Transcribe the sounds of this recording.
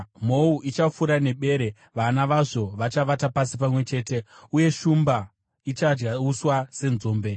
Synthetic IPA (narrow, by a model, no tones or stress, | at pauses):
m̤o̞uʔit͡ʃafuɾane̞ɓe̞ːɾe̞ | ʋanaʋaʐo̞ʋat͡ʃaʋatapasipamwe̞t͡ʃe̞ːte̞uje̞ʃumba | it͡ʃad͡ʒɡauswase̞nzo̞ːmbe̞